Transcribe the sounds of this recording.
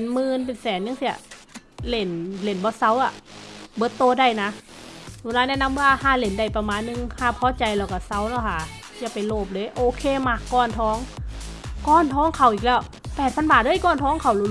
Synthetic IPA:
nmɯː˧np̬e˨nsɛː˨˦nɲa˧˥ŋsi˧˩ɐ | le˨˩˦nle˨˦nbɔː˧˦sa˧˥˩wʔa˧˩bɤː˧˦t̪ːoː˧˨da˧˩˨jna˧˥uː˧˨laː˧˥nɛ˧˥˨na˧˥˨mwaː˧˨haː˧˥˩le˨˩˦nda˧˩jpa˧maː˧˨nːɯ˧ŋhaː˧˩pʰɔː˧˦t͡ɕa˨˩jlɛː˧˩wka˧˩sa˧˥˩wnɔː˧˩kʰa˧˩ | jaː˧˩pa˨jloː˧˩p̬̚lɤː˧˨jʔoː˧kʰeː˧˥˨maː˧˩kːɔː˧˥˩nt̪ʰɔː˧˥˨ŋ | kɔː˧˥˨nt̪ʰɔː˧˥˨ŋkʰa˨˩wʔiː˨˩k̚lɛː˧˩w | pɛː˨˩t̪̚pʰa˧˥˨nbaː˨˩t̪̚lɤː˧˥˨jkɔː˧˩˨nt̪ʰɔː˧˥˨ŋkʰa˨˩wlu˧˦

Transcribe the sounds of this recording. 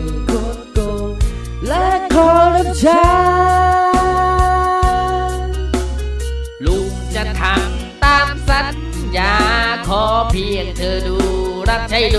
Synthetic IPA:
ko˧˦t̪̚ko˧ | lɛ˦˧˥kʰɔː˨˦ɾa˦˧˩p̚t͡ɕʰa˧˦ | lu˧˩k̚t͡ɕa˧˩t̪ʰa˨˦m | t̪aː˧msa˧˥n | jaː˧˦kʰɔː˨˦pʰi˧˩əŋ̚t̪ʰɤː˧duː˧ɾa˦˥˩p̚t͡ɕʰa˧˥˩jd

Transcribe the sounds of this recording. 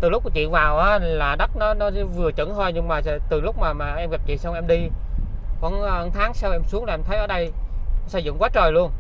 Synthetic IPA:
t̪ɨ˨˩lk͡p̚kːt͡ɕḭ˧˨ənvaː˨˩wʔaː˨˦laː˨˩ɗə˦˥t̚nɔ˨˦nɔ˨˦vɨ˨˩ət͡ɕə̰˧˩˥nh̪ʰɔ˧jɲɨ˧ŋmaː˨˩˨t̪ɨ˨˩lʊ˦˥k͡p̚maː˨˩maː˨˩ʔɛ˧mɣa˨˩p̚t͡ɕḭ˧˨sa˧wŋ͡mʔɛ˧mɗi˧ | kɔ˧˩n˧ʔə˧˩nt̪ʰaː˨˦ŋsa˧wʔɛ˧msu˨˦əŋla˨ɛ˧mt̪ʰə˨˦jʔəː˨˩ɗə˧jnɔ˨˦sə̰˧˩jzɨ̰˧˨ŋkwaː˨˦˥t͡ɕəː˨˩jlu˧ən

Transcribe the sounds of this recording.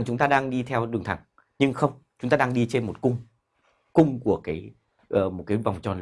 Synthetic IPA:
t͡ɕʊ˨˦ŋ͡mt̪aː˧ɗaː˧ŋɗi˧t̪ʰɛ˧wɗɨ˨˩əŋt̪ʰa˧˩ŋ | ɲɨ˧ŋxə˧wŋ͡m | t͡ɕʊ˨˦ŋ͡mt̪aː˧ɗaː˧ŋɗi˧t͡ɕe˧nmo˨˩t̚kʊ˧ŋ͡m | kʊ˧ŋ͡mku˧˩əkaː˨˦j | ʔːmo˨˩t̚kaː˨˦jva˨˩wŋ͡mt͡ɕɔ˨˩n

